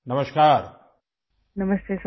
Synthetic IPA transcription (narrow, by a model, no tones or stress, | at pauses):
nɐməʃkaːɾ | nɐməst̪eːs